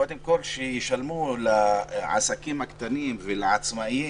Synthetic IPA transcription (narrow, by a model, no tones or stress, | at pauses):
od̪emkolʃejiʃalmulaʕa̰sakimakt̪animvelaʕat͡smai